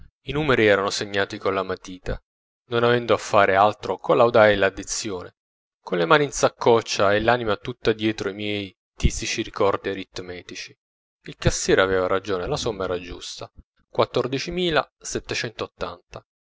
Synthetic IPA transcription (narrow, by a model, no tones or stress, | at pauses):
inuːmeɾiɛːɾanoseɲːaːt̪ikonlamat̪iːt̪a̰ | nonavɛnd̪oafːaːɾealt̪ɾokolawd̪aelad̪ːit̪sːjoːnḛ | konlemaːniːnsakʰːɔt͡ʃːaelːaːnimat̪ut̪ːad̪jɛːt̪ɾoimjɛj | t̪isit͡ʃiɾikɔrd̪ierit̪ːmɛːt̪it͡ʃi | ilkasːjɛːɾeaveːvaɾad͡ʒoːnelasomːaɛːɾad͡ʒṵst̪a | kwat̪ːord̪it͡ʃimiːla̰ | sɛt̪ːet͡ʃɛnt̪oot̪ːa̰nt̪a